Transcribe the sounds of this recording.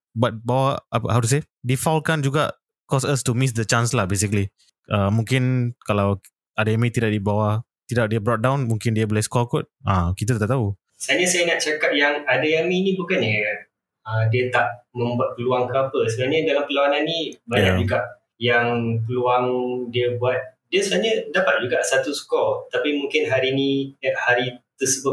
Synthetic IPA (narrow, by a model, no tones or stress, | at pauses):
bat̪̚bawaʔapa̰hawt̪us̬e | difawlkand͡ʒuɡa̰ʔ | kɔsəstumis̬dət͡ʃãnslahbes̬ikəli | ʔəmũŋkɪnkalaw | ʔadaamĩt̪idaʔ̚dibawa | t̪idaʔ̚dəbɾɔt̚dãw̃nmũŋkɪndiabɔlahskɔlkɔt̚akit̪̬at̪at̪aʔ̚t̪au | saaɲasajanaʔt͡ʃakat̪̚jaŋadajamĩnibukanjaan | ədiət̪aʔmə̃mbuat̪̚pəluaŋkəapəsəɡalɲədalampəlaananːibajɲad͡ʒuɡaʔ | jaŋpəluaŋdiəbuat̪̚diəsubaɲədapat̪̚d͡ʒuɡaʔsat̪uskɔlt̪apimuŋkɪnɦaɾiniaʔhaɾit̪əsəbʊ